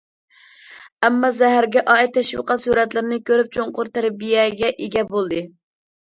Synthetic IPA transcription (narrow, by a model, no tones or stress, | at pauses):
ɛmːɑzɛɦæɾɡʲɛʔɑːɛt̪ːʰɛʃwɨ̰qɑt̪suɾɛt̪lɪɾɪnɪkʲøɾyp̚t͡ʃʰoŋqʊɾt̪ʰæɾbijɛɡʲɛʔeɡʲɛbolˠd̪ɨ